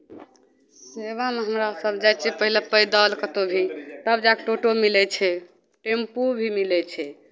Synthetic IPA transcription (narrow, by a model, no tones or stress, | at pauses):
seβameɦəmɾasəbd͡ʒajt͡ʃʰipəɦilepəjd̪əlkət̪obʱit̪əbd͡ʒakʈoʈomilɛt͡ʃʰɛ | ʈempubʱimilɛt͡ʃʰɛ